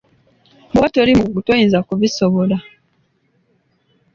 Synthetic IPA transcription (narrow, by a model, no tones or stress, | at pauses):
bwatolimuɡutojinzakuβisoβola